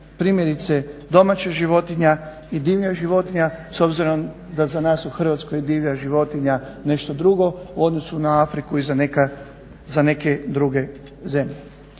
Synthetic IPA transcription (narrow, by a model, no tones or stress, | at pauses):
pɾiːmjeɾit̪sed̪o̞mat͡ɕaʒiʋo̞t̪iɲa | id̪iːʋʎaʒiʋo̞t̪iɲaso̞bziɾo̞m | d̪azanaːsuxr̩ʋat̪skojd̪iːʋʎaʒiʋo̞t̪iɲane̞ʃt̪o̞d̪ɾuɡo̞uo̞d̪no̞sunaafɾikuizaneka | zane̞ked̪ɾuɡe̞ | ze̞mʎe